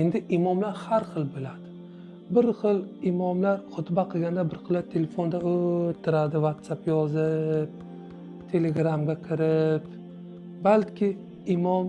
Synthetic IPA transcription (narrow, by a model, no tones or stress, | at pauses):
end̪ɪʔɪmɒmlaɾhaɾχɨlˠbɪlad̪ɪ | bɪɾχɨlɪmɒmlaɾχʊt̪baqʰɨɡʲand̪abɪɾχɨlːat̪ʰele̞fo̞nd̪aot̪ʰːɪɾad̪ɪvat̪sapjɒzɪp̚ | t̪ʰe̞le̞ɡɾamɡʲakʲʰɪɾɪp | balkʲʰɪ | ɪmɒm